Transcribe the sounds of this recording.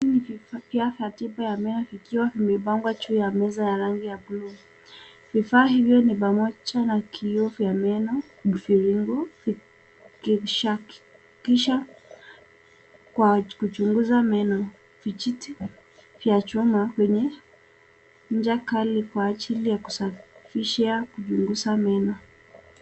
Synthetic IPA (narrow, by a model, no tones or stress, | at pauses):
niifiafjatiɓajamɛnɔvikiwavimɛɓaŋɡwat͡ʃujamɛzajaɾaŋɡijablu | vifaːɦivjɔniɓamɔt͡ʃanakʰiɔvjamɛnɔ | fiɾiŋɡɔfi | kiʃak | kiʃa | kwakut͡ʃuŋɡuzamɛnɔ | vit͡ʃiti | vjat͡ʃumakwɛɲɛ | ɲ̩d͡ʒakalikwaːt͡ʃilijaku̥safiʃɛakut͡ʃuŋɡusamɛnɔ